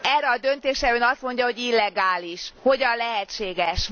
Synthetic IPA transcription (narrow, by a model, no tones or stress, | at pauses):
ɛːrːɛɒd̪ønt̪eːʃɛøːnɒst̪mo̞ɲɟɒɦo̞ɟilːɛɡaːliʃho̞ɟɒnlɛɦɛt͡ʃeːɡɛʃ